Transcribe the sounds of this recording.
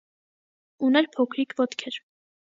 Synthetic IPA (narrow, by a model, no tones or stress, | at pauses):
unɛɾpʰɔkʰɾikʰvɔt̪kʰɛɾ